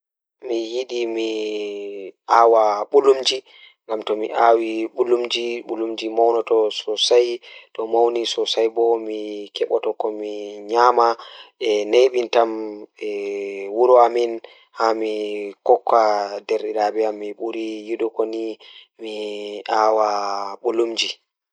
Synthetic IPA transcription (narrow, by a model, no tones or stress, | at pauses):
mijiɗimi | ʔaːwaɓulumd͡ʒi | ŋɡamtɔmiʔawiɓulumd͡ʒiɓulumd͡ʒimawnɔtɔsɔsajɗɔmawnisɔsajbɔmikɛɓɔtɔkɔmiɲamaɛneɓintamɛwuɾɔamin | hamikɔkːadeɾiɗabɛamːiɓuɾijiɗɔkonimiʔaːwaɓulumd͡ʒi